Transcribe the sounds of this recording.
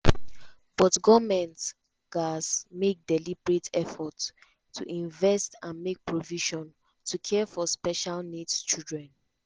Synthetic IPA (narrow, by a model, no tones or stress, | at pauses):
b̥ɔtɡɔmɛ̃nt | ɡ̥asmek̚dɛlibɹetʰɛfɔtʰː | ṵʔĩɱvɛstãnmek̚pʰɹoviʃɔ̃n | tʰukʰɛfɔspɛʃalnidt͡ʃildɹɛ̃n